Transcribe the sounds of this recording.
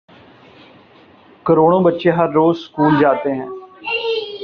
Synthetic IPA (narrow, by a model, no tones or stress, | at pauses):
kəɾoːɽ̃õːbətːʃeːɦəɾːoːzskuːld͡ʒaːt̪eːɦɛ̃ː